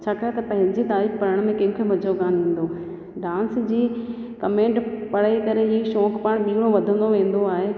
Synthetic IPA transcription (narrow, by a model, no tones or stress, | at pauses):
t͡ɕʰaːkaːɦet̪ɐpɐ̃ɦɪ̃ɲd͡ʑit̪aːibpɐɾəɽ̃mẽkɐ̃ɦʊ̃kʰomɐd͡ʑʱoɡaːnẽːn̆d̪oː | ɖãːnsd͡ʑiː | kɐmẽːɳʈpɐɽ̤aik̪ɐɾeɦiːʃɔːkpaːɽ̃ɓiːɽ̃oʋɐd̪ʱə̃n̆d̪oʋẽːn̆d̪oaːɦe